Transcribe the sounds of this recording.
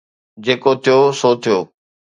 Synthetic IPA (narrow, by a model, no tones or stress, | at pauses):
d͡ʑeːkot̪ʰijosoːt̪ʰijoː